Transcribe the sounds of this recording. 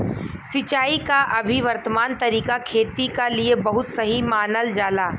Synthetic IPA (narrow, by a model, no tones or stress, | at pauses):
sɪt͡ʃaːikaʔɐbʱiʋɐɾt̪əmaːnt̪ɐɾiːkakʰeːt̪ikaliebɐɦʊt̪sɐɦimaːnəld͡ʒaːlaː